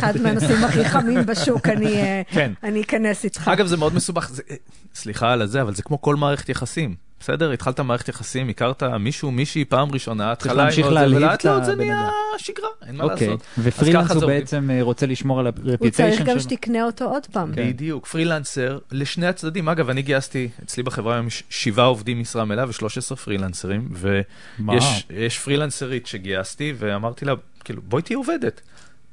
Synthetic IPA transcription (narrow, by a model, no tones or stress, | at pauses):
χadmeanosimaχiχamimbeʃukanikenaniːkanesit̪χaaɡavzemeo̞d̪mesubaχze | sliχalazeavalzekmo̞ko̞lmaːʁeχet̪jaχasim | b̥esedeʁit̪χaltamaːʁeχet̪jaχasimikaʁt̪amiʃumiʃipaːmʁiʃo̞naːt̪χalaaimmʃiolleatlaozeniaʃiɡʁaʔenmalaːksotvefʁikaχazoeeit͡semʁot͡seliʃmoʁalaʁeput̪einɡamʃet̪ikneot̪ood̪paːmid̪ijukfʁilanseʁleʃneat͡sdadimaɡavaniɡiast̪iet͡slibaχevʁaːjomjʃʃivao̞vd̪imːisʁamelaveʃlo̞ʃesʁefʁilanseʁimve | mjeʃjeʃfʁilanseʁit̪ʃeɡiast̪iveamaʁt̪ila | kiluboit̪iovedet̪